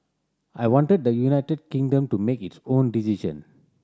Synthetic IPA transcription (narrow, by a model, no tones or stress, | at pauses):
ajwɔ̃nʈəd̚d̪əjunaɪtəd̚kĩŋdə̃mtumekitsõːndisid͡ʒə̰̃n